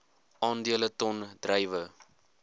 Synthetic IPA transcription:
ʔɑːndiələtɔnd̥rəjvə

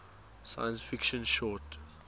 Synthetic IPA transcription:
sa̰jə̃nsfikʃə̃nʃɔt

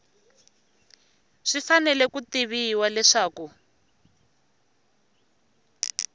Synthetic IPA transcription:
ʂifanɛlɛkutiβiwalɛʂaːku

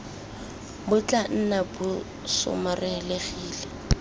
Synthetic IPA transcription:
bʊt͡ɬʼan̩nabʊ | sʊ̰marɛleɣiːlɛ

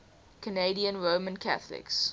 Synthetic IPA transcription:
kʰəneɪdiə̃nɹoːmə̃nkʰa̰θəlɪ̰ks

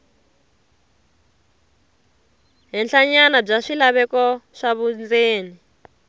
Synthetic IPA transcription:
ɦɛnɬaɲanab͡ʐaʂilaβɛkɔʂaβund͡zeːni

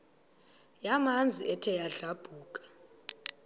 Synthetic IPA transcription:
jamand͡zʱiɛtʰɛjaɬab̥ʱuːkʼḁ

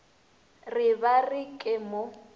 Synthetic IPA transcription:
rɪbarikʼɪmo

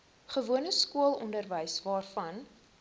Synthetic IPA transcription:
χəvuənəskuəlˠɔ̰ndərvəjsvɑːrfɐn

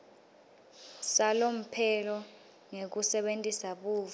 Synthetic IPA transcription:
salom̩pʰɛlɔ | ŋek̬usɛɓentʼisaɓuːv

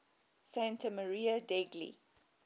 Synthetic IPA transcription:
sẽntəməɹiːədɛɡlḭ

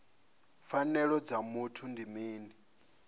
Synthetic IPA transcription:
fanɛɺɔd͡zamutʰundimiːni

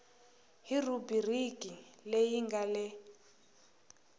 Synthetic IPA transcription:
ɦirubirikʼilejiŋɡalɪ

